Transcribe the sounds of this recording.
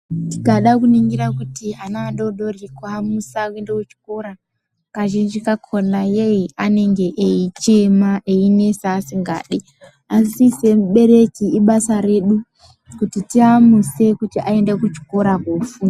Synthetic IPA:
tikaɗakuniŋɡiɾakutiɦanaɗoɗo̞rikuamusakuendekut͡ʃi̥ko̞ɾa | kaʒind͡ʒikakʰonajeiʔane̞ŋɡe̞ʔeit͡ʃemaʔeine̞saːsiŋɡa̰ːɗi | asise̞muɓe̞ɾe̞kiiɓasaɾe̞ɗu | kutitiamuse̞kutiʔae̞ndekut͡ʃi̥ko̞ɾakofua

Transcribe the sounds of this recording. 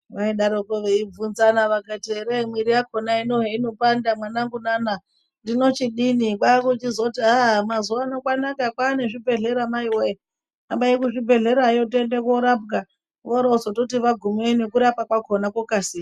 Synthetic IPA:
ʋaiɗaɾokoʋeib͡vunzanaʋakatiɦeɾemwiɾijakonainoɦeinopandamwanaŋɡunana | ndino̞t͡ʃiɗinikwakut͡ʃizoutiamazuʋaːnokwanakakwaːne̞ʐibʱe̞ɮe̞ɾamaiwe | ambaikuʐibʱe̞ɮe̞ɾajo̞t̬endekoɾapɡa | ʋoɾasotot̬iʋaɡʱumenekuɾapakwakʰonakwokaːsiːa

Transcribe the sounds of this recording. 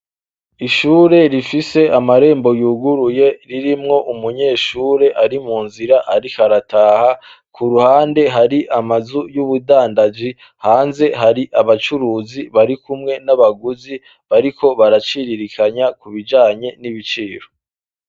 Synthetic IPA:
iʃuːɾe̞ɾifise̞amaɾe̞ːmbo̞juːɡuɾuje̞ɾiɾimŋo̞ʔumuɲe̞ːʃuːɾe̞ʔaɾimuːnziɾaʔaɾihaɾatʰaːha | kʰuɾuhaːnde̞ɦaɾiʔamazujuβudaːndad͡ʒi | haːnze̞ɦaɾiʔaβat͡ʃuɾuːziβaɾikumŋe̞naβaɡuzi | βaɾiko̞βaɾat͡ʃiɾiɾikʰaɲakuβid͡ʒaːɲe̞niβit͡ʃiːɾo̞

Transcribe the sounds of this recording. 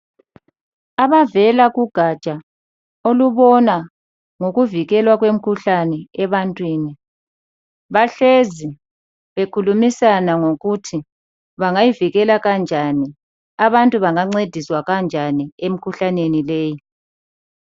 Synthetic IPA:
aβavɛlaɣuɡ̥ʱat͡ʃʼa | oluβɔna | ŋoɣuviɣɛlwaɣwem̩kʰuɬanɛɛβantʼwiːni | βaɬezi | βekʰulumisanaŋoɣutʰi | βaŋajiviɣɛlaɣand͡ʒʱani | aβantʼuβaŋaŋ͡ǀed̥ʱiswaɣand͡ʒʱaniem̩kʰuɬanenileːji

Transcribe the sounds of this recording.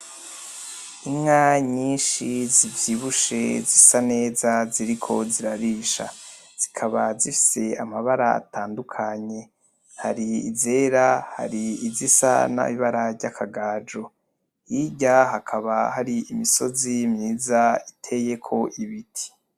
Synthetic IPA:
imŋaɲiːnʃizivjiβuʃe̞zisane̞ːzaziɾikʰo̞ziɾaɾiʃa̰ | z̥ikʰaβazifi̥se̞amaβaɾaa̰taːndukʰaɲe̞ | haɾiize̞ːɾaha̰ɾiizisa̰na̰βiβaɾaɟakʰaɡaːd͡ʒo̞ | jiɟaɦakʰaβahaɾiimiso̞zimɲiːzaitʰe̞je̞kʰo̞ʔiβitʰi̥

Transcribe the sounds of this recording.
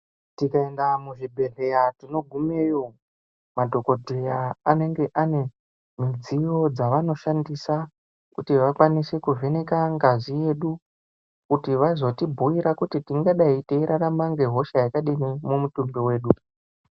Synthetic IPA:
tikae̞ndamuʐibʱe̞rejatino̞ɡʱume̞ːjo̞ | madʱo̞ko̞dʱejaːne̞ŋɡe̞ʔane̞ | mid͡zijo̞d͡zaʋano̞ʃandisa | kutiʋakwanise̞kuve̞nekaŋɡazije̞ɗu | kutiʋaizo̞tibʱuiɾakutitiŋɡaɗaiteiɾaramaŋɡe̞ɦo̞ʃajakaɗinimumutumbewe̞ːɗu

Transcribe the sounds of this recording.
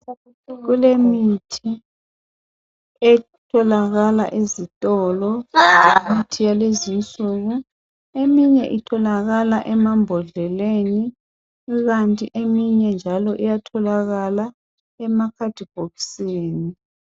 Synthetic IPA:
ɣulemitʰi | ɛ | tʰɔlaɣala̰ʔezitʼɔlɔemitʰijalezint͡sʼuɣu | emiɲɛʔitʰɔlaɣalaʔɛmambʱɔɮɛleni | ɣantʼiʔemiɲɛnd͡ʒʱalɔʔijatʰɔlaɣala | ɛmakʰad̥ʱib̥ʱɔkseːni

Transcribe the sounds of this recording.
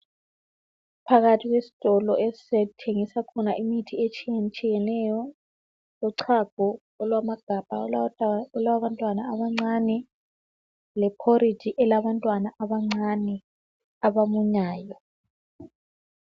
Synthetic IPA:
pʰaɣatʰiɣwesi̥tʼɔlɔʔessɛtʰeŋisakʰɔnaʔimitʰiet͡ʃʼiɛt͡ʃʼijɛnɛjɔ | lɔǀʰaɡ̥ʱɔ | ɔlwamaɡ̥ʱab̥ʱa | lawaβantʼwanaːβaŋ͡ǀanɛ | lɛpʰori̥d͡ʒ̥ʱiʔɛlaβantʼwanaʔaβaŋ͡ǀʱanɛ | aβamuɲaːjɔ

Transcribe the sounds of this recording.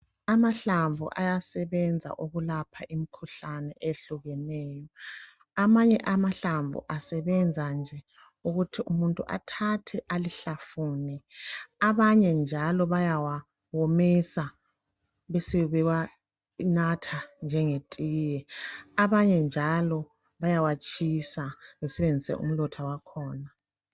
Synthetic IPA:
amaɬaɱvṵʔa̰jasɛβɛnd͡zʱa̰ʔuɣulapʰaʔimikʰuɬanɛʔeɬuɣɛnɛːjɔ | amaɲɛʔamaɬaɱvṵʔasɛβɛnd͡zʱand͡ʒʱɛ | uɣutʰiʔumuntʼuʔa̰tʰatʰɛʔaliɬafuːniaβaɲɛnd͡ʒʱalɔβajawa | womisa | βɛsɛβɛwa | inatʰand͡ʒʱɛŋetʼiːjɛaβaɲɛnd͡ʒʱalɔ | βajawat͡ʃʰʼisaβɛsɛβend͡zʱisɛ̰ʔṵm̩lɔtʰawakʰɔːna

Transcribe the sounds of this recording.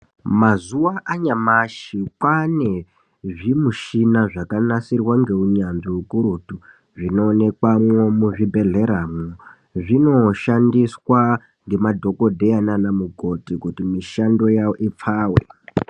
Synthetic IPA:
mazuwaʔaɲamaʃikwane̞ | ʐimuʃinaʐakanasirwaŋɡe̞uɲanʐiukuɾutu | ʐino̞ːne̞kwamwomuʐibʱe̞ɮe̞ɾamo | ʐino̞ʃandiswa | ŋɡe̞madʱo̞ko̞dʱe̞jananamuɡʱo̞tikutimiʃando̞jaoʔip͡faːwḛ

